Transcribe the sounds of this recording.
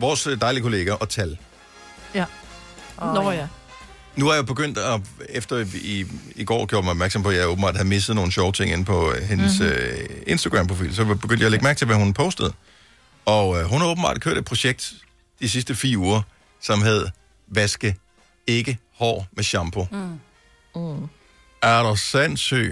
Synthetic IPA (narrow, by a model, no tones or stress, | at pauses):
ʋɒːsd̥ɑ̈ɪlikʰo̝le̝ːɡ̥æʔɒ̽t͡sʰæl | nuhæjob̥e̝ɡ̥øn̰d̥ɒefd̥ɐiiɡ̥ɒ̰ːɡ̥joɐ̰̥mɑɪɒbmæɐɡ̥sɒ̽mpʰɒ̽jɑɪoːb̥m̩bɑ̈ːd̥ihæð̩ˠme̝səð̩ˠno̝ːn̩ɕɒʊt͡sʰe̝ŋ̰e̝n̩pʰɒ̽he̝nəsøe̝nsd̥ɐɡ̥ʁɑ̈mpʰʁo̝fḭːlsɒ̽b̥e̝ɡ̥ønd̥jɑleɡ̥mæɐɡ̥̚t͡sʰe̝lʋæhunpʰɔ̽ʊsd̥əð̞ˠ | ɒ̽ɦunhæoːbm̩bɑ̰̈ːd̥ikʰø̰ɐ̰ɾed̚pʰʁo̝ɕeɡ̥̚d̥ | d̥isis̬d̥əfḭːɐuːɐ | sɒ̽mɦæð̞ˠ | ʋæsɡ̥ə | e̝ɡ̥ə | hɒ̰ːmeɕɑ̈mb̥ʰo̝ | æɾɒsæn̰sø̰ː